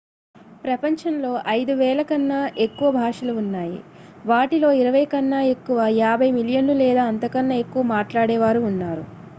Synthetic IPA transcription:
pɾɐpɐɲt͡ʃɐnlo̞ːʔɐjd̪uʋɛːlɐkɐnːɐʔe̞kːuʋɐbʱaːʂɐluːnːaːjḭ | ʋaːʈilo̞ːiɾɐʋɐjkɐnːɐe̞kːuʋɐjaːbʱɐjmiljɐnlulɛːd̪aːɐnt̪ɐkɐnːɐe̞kːuʋɐmaːʈlaːɽɛːʋaːɾuːnːaːɾṵ

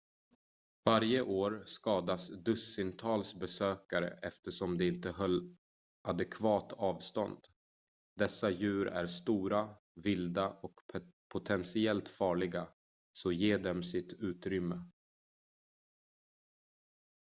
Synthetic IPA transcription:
vaɾjəʔoːɾskɑːd̪asd̪ɵsɪnt̪ʰɑːlsbɛsøːkaɾə̰ʔɛft̪əʂɔmd̪ɛɪnt̪əɦœlː | ʔad̪ɛkʰvɑːt̪ʰɑːvst̪ɔ̰nd̪ | d̪ɛsːajʉ̟ːɾæ̰ɾst̪uːɾa | vɪld̪aʔɔkpʰʊt̪ʰɛnsɪɛlt̪fɑːɭɪɡa | sɔjeːɖɛmsɪt̪ʉ̟ːt̪ɾʏmːə

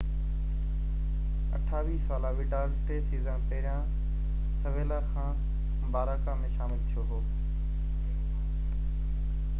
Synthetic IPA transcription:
ə̰ʈʰaːʋiːsaːlaːʋɪɖaːlʈeːsiːzãːpəɦɾijãː | səʋeːlaːxʰãː | baːɾaːkãːmẽːʃaːmɪlt̪ʰijoːɦoː

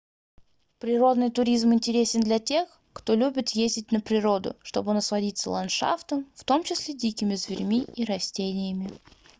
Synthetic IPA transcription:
pɾʲɪɾo̞d̪nɨjt̪ʊɾʲizmɪnʲtʲɪɾʲesʲɪnd̪lʲɐtʲe̞x | kt̪o̞lʲubʲɪt̪jezʲdʲɪtʲnəpɾʲɪɾo̞d̪ʊ̰ʂt̪o̞bɨnəslˠɐdʲit̪sə̰lˠɐnʂa̰ft̪əmft̪o̞mt͡ɕɪsʲlʲedʲikʲɪmʲɪzvʲɪrʲmʲiiɾɐsʲtʲenʲɪjəmʲɪ

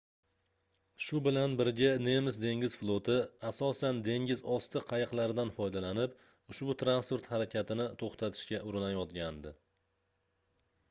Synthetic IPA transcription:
ʃʊbɪlanbɪɾɡʲane̞mɪsd̪e̞ŋʲɪzflˠot̪ʰɪasɒsand̪e̞ŋʲɪzɒst̪ʰɪqʰɑjɨqlˠaɾd̪anfɒjd̪alanɪp | ʊʃbʊt̪ʰɾanspoɾt̪haɾakʲʰat̪ʰɪnɪt̪ʰoχt̪ʰat̪ʰɪ̥ʃkʲaʔʊɾɪnajɒt̪ɡʲand̪ɪ

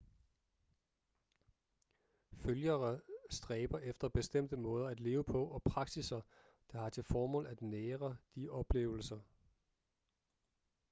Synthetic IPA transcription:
føljɐɐsd̥ʁɛːb̥ɐʔefd̥ɐb̥e̝sd̥em̰d̥əmɔ̽ːð̞ˠɐæd̥le̝ːʊəpʰɒ̽ʔɒ̽pʰʁɑ̈ɡ̥sisɐ | d̥ɑ̈hɑ̈t͡sʰe̝lfɒːmɔ̰̽ːlæd̥neːʁɐd̥iʔɒ̽b̥le̝̰ːʊl̩sɐ

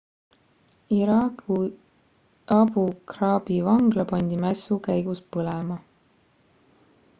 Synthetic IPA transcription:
iɾɑːku | ɑbukrɑːbivɑŋɡlɑpɑnʲd̪imæsukæjɡuspɤlemɑ

